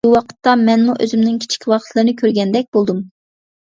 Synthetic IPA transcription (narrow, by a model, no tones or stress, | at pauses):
uwɑqʰə̥t̪ːɑmɛnmuʔø̰zymnɪŋkʲʰi̥t͡ʃʰi̥kʲʰwɑqə̥t̪ʰlˠɨɾɨnɨkʲʰøɾɡʲɛnd̪ɛk̚ʲbolˠd̪um